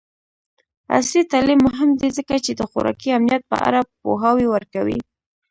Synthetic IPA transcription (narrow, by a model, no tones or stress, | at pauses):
a̰slit̪alimːʊɦɪmd̪ezəkat͡ʃed̪əxʊɾɑ̰kiamnijat̪̚pə̰ʔa̰ɾapo̰ɦawewəɾkawḭ